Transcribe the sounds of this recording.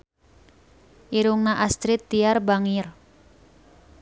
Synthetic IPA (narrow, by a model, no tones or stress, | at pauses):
ʔiɾuŋnaʔast̪ɾit̪ːiarbaŋir